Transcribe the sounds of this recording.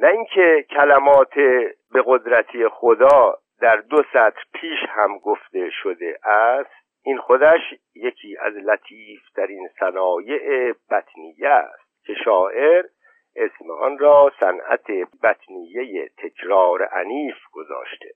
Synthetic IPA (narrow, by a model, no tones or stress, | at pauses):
næiŋkʰecʰælæmɒːt̪ʰebe̞ɣo̞d̪ɾæt̪ʰiexod̪ɒː | d̪æɾd̪osæt̪ɾpʰiːʃhæmɡoft̪e̞ʃod̪eʔæst̪ | ʔinxo̞d̪æʃ | je̞cʰiːæ̰zlæt̪ʰiːft̪ʰæɾinsænɒːje̞ʔeb̥æt̪ʰnijːææ̰st̪̚cʲʰe̞ʃɒːʔe̞ɾ | ʔesmḛʔɒ̰nɾɒːsæ̰nʔæ̰t̪ʰe̞bæt̪ʰnijejḛt̪ʰe̞kʰɾɒːɾeʔæ̰niːfɡ̥o̞zɒ̰ːʃt̪e̥